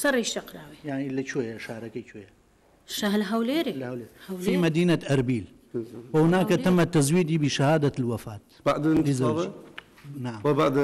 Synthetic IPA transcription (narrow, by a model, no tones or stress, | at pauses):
sɐrˤiʃt̪ɐqɾaːwejaʕnilɐt͡ʃʰojɐʃaːɾɐkɐjt͡ʃʰoːjɐ | ʃaɦlɦɐwleːɾehlehɐwfiːmɐd̪iːnɐt̪ʔɐɾbiːl | wɐwnaːkɐt̪ɐmːɐt̪ːɐzwiːd̪iːbiːʃɐhaːd̪ɐlwɐfaːt̪baʕd̪iza | naʕambaʕd̪